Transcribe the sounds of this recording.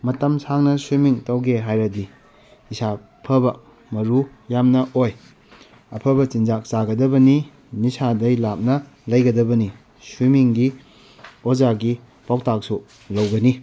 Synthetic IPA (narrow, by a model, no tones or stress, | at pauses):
mɐtɐmsʰaŋnɐsumiŋtɐwɡeɦajɾɐdiː | sa | pʰɐbɐ | mɐɾu | jamnɐʔoj | ɐpʰɐbɐt͡ʃind͡ʒak̚t͡ʃaɡɐdɐbɐni | nisadɐjlap̚nɐ | lɐjɡɐdɐbɐni | sumiŋɡi | ozaɡi | pawk̚tak̚su | lɐwɡɐni